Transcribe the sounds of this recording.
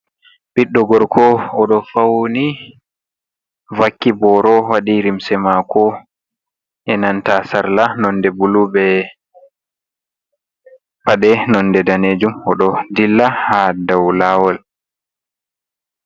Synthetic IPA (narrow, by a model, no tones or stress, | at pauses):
biɗːɔɡɔɾkʰɔɔɗɔfawni | vakːibɔɾɔwaɗiɾimsɛmakɔ | ʔɛnantasaɾlanɔndɛbulubɛ | paɗɛnɔndɛdaneːd͡ʒumɔɗɔdilːahadawlawɔl